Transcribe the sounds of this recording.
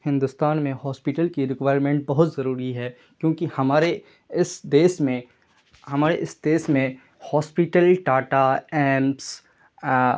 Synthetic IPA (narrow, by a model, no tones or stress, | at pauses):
hɪ̃nd̪ʊst̪aːnmẽhɔːspɪʈəlkiɾɪkʋaːɪɾmẽːɳʈ̚bɐɦʊt̪zɐɾuːɾiɦɛː | kjõːkihɐmaːɾe | ɪsd̪eːsmẽ | hɐmaːɾeʔɪsd̪eːsmẽ | hɔːspiʈəlʈaːʈaɛːms